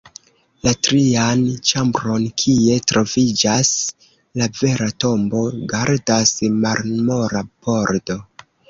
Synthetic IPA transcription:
latɾiant͡ʃambɾo̞nkʰie̞tɾo̞vid͡ʒas | lave̞ɾato̞mbo̞ɡaɾdasmaɾmo̞ɾapo̞ɾdo̞

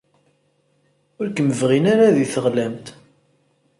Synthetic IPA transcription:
ʊɾkəməvʁinaɾaðiθəʁlæmt̪

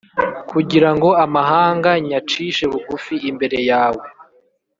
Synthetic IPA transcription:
kuɟiɾaŋɡo̞amaɦaːŋɡaɲat͡ʃiːʃe̞βuɡufiimbe̞ɾe̞jaːwe̞

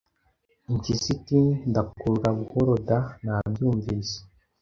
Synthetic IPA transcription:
iɲcisitindakuɾuɾaβuhoɾodanabjuːɱviːse̥

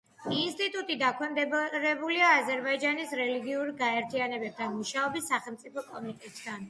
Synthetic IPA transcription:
inst̪ʼit̪ʼut̪ʼid̪akʰwɛmd̪ɛɾɛbuliaːzɛɾbaid͡ʒanisɾɛliɡiuɾɡaɛɾt̪ʰianɛbɛp̚t̪ʰanmuʃaɔbisːaχɛlˠmt̪sʼipʰɔkʼɔmit̪ʼɛt̪ʼd̪ʰan

